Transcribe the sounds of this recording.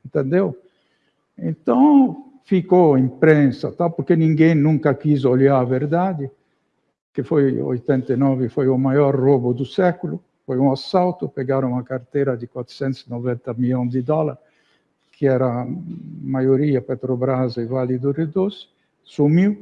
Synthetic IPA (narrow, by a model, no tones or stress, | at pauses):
ĩnt̪ɛnd̪ew | ẽnt̪ãw | fikoimpɾɛnsa̰t̪awpoɾkenĩŋɡejnũŋkakizolaaveɾd̪ad̪ɪ | kefojo̰jt̪ɛnt̪enɔvɪfojomajɔɾrobʊd̪usɛkulʊ | fojuasawt̪ʊpeɡaɾʊŋakaɾt̪ɛɾad̪ɪkwat̪ɾ̥sɛ̃nt̪snovɛnt̪amilõnd̪ɪd̪ɔlaɾ | kʰɪɛɾa | majoɾiapɛt̪ɾobɾazevalid̪ured̪os | sumiw